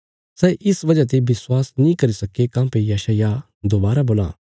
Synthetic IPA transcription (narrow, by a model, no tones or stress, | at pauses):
sɛːʔɪsʋɐd͡ʒat̪̬ebɪswaːsnĩkɐɾisɐkekãːpejɛʃaːja | d̪oːbaːɾaboːlã̰ː